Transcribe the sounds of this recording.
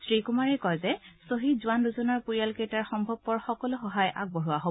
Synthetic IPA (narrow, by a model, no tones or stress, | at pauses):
sɹikumaɹɛkɔjzɛsoɦitzʊanduzɔnaɹpuɹijalkejtaɹxɔmbʱɔb̚pɔɹxɔkɔlʊxɔɦajʔa̰ɡ̚boɦuwaɦo